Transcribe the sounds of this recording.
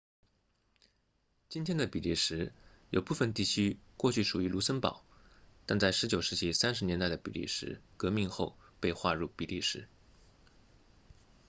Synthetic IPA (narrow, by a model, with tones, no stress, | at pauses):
t͡ɕi˥nt̪ʰjɛ˥nd̪ə˨˩pi˨˩li˥˩ʂɻ̩˧˥jo˨˩ʊpu˥˩fə˨˩nt̪i˥˩t͡ɕʰy˥kwɔ˥˧t͡ɕʰy˥˩ʂu˨˩y˧˥lu˧˥sə˥npɑ̰˨˩˦ʊt̪a˥˧nt͡sa˥˩ɪʂɻ̩˧˥t͡ɕjo˨˩ʊʂɻ̩˥˩t͡ɕi˧˥˩sa˥nʂɻ̩˧˥njɛ˧˥nt̪a˥˩ɪə˩pḭ˨˩lḭ˥˩ʂɻ̩̰˧˥kɤ˧˥mi˥˧ŋxo˥˧ʊ | pe˥˧ɪxwa˥˧ɻu˥˩pi˨˩li˥˩ʂɻ̩˧˥